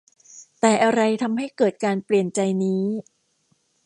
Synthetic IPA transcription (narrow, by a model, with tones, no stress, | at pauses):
t̪ɛː˨˩ʔa˧ɾa˧jt̪ʰa˧mɦa˥˩jkɤː˨˩t̪̚kaː˧npli˨˩ənt͡ɕa˧jniː˦˥